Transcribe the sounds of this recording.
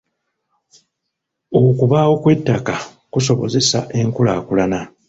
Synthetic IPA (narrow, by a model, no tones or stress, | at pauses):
okuβaːwo̞kwe̞tːaka | kuso̞βo̞̰ze̞saʔe̞ŋkulaːkulana